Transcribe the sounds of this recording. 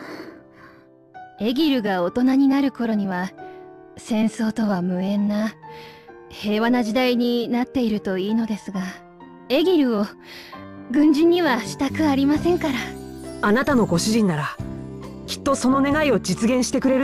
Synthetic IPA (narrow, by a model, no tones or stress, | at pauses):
e̞ɡʲiɾɯ̟ɡao̞t̪o̞naɲ̟inaɾɯ̟ko̞ɾo̞ɲ̟iβa | sẽ̞ɰ̃so̞ːt̪o̞βamɯ̟ẽ̞nːa | he̞ːβanaʑid̪aiɲ̟inat̪ːe̞iɾɯ̟t̪o̞iːno̞d̪e̞sɨɡa | e̞ɡʲiɾɯ̟o̞ | ɡɯ̟̃ɲ̟d͡ʑĩɲ̟ːiβaɕi̥t̪akɯ̟aɾʲimasẽ̞ŋkaɾaanat̪ano̞ɡo̞ɕiʑĩnːaɾa | kʲi̥t̪ːo̞so̞no̞ne̞ɡaio̞d͡ʑit͡sɨɡẽ̞ɰ̃ɕi̥t̪e̞kɯ̟ɾe̞ɾɯ